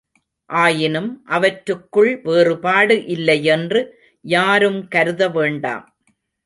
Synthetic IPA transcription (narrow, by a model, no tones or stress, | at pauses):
ʔaːjɪnɯmʔɐʋɐʈɾɯkːɯɭʋeːrɯpaːɽɯʔɪlːɐjɛndrɯ | jaːɾɯmkɐɾɯðɐʋeːɳɖa̰ːm